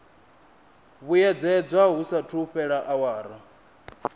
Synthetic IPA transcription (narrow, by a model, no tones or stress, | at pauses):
βujɛd͡zɛd͡zʷaɦusatʰuɸɛɺaʔawaːɾa